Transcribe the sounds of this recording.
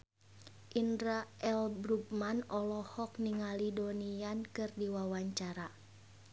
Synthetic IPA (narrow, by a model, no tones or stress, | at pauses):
ʔindɾaɛlbɾupmanɔlɔhɔk̚niŋalidɔniankɨrdiwawaɲt͡ʃaɾa